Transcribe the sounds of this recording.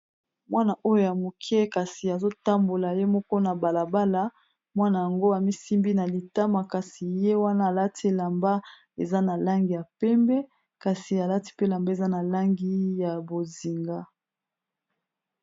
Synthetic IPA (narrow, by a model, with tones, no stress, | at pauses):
mwʔa˦na˨ʔo˦jo˦ja˨mo˨kʰɛ˦ka˨si˨a˨zo˦ta˦mbo˨la˨je˦mɔ˦kɔ˦na˨ba˨la˨ba˦la˦ | mwa˦na˨ja˨ŋɡo˦a˨mi˦si˦mbi˦na˨li˨ta˦ma˨ka˨si˨je˦wa˦naː˦˨la˦ti˦la˨mba˦ | e˨za˦na˨la˦ŋɡi˨ja˨pɛ˦mbɛ˦ | ka˨si˨a˨la˦ti̥˦pe˦la˨mba˦e˨za˦na˨la˦ŋɡi˦ja˨bo˨zi˨ŋɡa˦